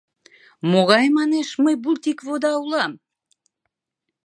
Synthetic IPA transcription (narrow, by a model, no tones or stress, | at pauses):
moɣɑjmɑneʃməjbult̪ikvod̪ɑulɑm